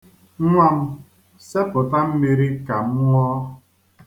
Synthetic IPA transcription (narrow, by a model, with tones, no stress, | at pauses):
ŋʷa˦m̩˦ | se˦pʊ˨ta˦m̩˦mi˨ɾi˦ka˨m̩˦ŋʷ˦ɔ˦